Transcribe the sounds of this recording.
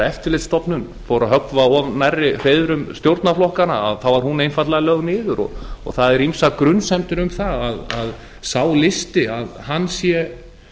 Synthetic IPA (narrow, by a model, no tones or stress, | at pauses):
ɛft̪ɪɾlɪt̪st̪ɔpnʏn | fowɾaɦœkvaɔvnajrːɪr̥ejðʏɾʏmst̪jowɾt̪naflɔhkanaa̰ðθawvaɾ̥hunejnfat̪laɣalœɣnɪːðʏɾɔ̰ɣɔ̰ɣθaðɛɾimsakɾʏnsɛmt̪ɪɾʏmθaaðað | saːwlɪst̪ɪaðhanːsjɛ